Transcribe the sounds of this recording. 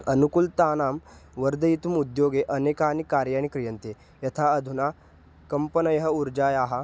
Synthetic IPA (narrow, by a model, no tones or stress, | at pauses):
ənukult̪aːnaːmʋəɾd̪ɐjit̪umud̪joːɡeʔənekaːnikaːɾjaːñikɾijɐnt̪e | jɐt̪ʰaɐd̪ʱuna | kɐmpənɐjɐɦɐuɾd͡ʒaːjaːɦa